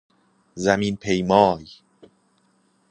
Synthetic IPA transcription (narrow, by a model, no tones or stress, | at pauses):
zæminpʰejmɒːj